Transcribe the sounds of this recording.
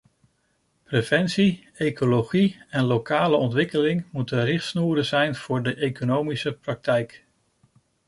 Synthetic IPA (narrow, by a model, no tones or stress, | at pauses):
prev̥ɛnsi | ejkʰoloχiɛnlokaːləɔntʋɪkəlɪŋmutənrɪχtsnuːɾəzɛjnv̥ʊːɹdəʔejkonowmisəprɑk̚tɛjk